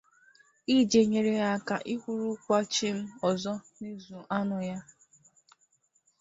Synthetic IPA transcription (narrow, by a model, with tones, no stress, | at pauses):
i˦d͡ʒe˨ɲe˨ɾe˨ja˦ka˨ʔi˦kʷu˦ɾu˦kʷa˦t͡ʃi˦m̩˦ɔ˨zɔ˦ | ni˦zu˨ʔa˦nʊ˨ja˦